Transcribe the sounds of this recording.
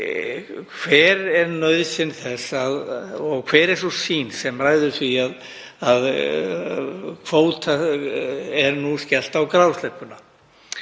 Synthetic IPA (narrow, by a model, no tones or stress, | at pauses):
kʰvɛɾɛɾnœɥðsɪnθɛsaðɔɣkʰv̥ɛːɾɛɾ̥sɔsiːnsɛmraːjðʏɾ̥θviað | að | kʰvoːwt̪a | ɛɾnuscɛl̥t̪awkɾawst̪lɛhpːʏna